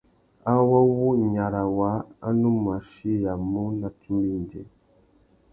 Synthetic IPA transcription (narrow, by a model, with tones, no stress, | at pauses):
a˦wa˦wu˦˨ɲa˨ɾa˨wa˨˦a̰˦nu˦ma˨ʃi˦ja˨mu˦na˨tu˦mbi˦n˨dḛ˨